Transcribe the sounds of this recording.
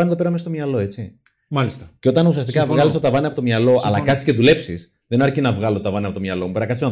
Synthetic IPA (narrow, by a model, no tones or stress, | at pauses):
ɐnieðpeɾɐmest̪omɲɐlo̞e̞t͡si | mɐlist̪ɐceo̞t̪ɐnusiɐst̪ikɐvɣɐlistot̪ɐvɐniɐpt̪omɲɐlo̞ʔɐ̰lɐkɐt̪i̥sce̞ðule̞psis | ðenɐɾcinɐvɣɐlot̪ot̪ɐvɐneɐpo̞t̪omɲɐlo̞mupeɾɐkɐt̪iso